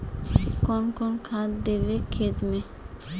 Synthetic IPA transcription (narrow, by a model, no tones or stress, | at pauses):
kɔnkɔnkʰãt̪d̪ebekʰed̪me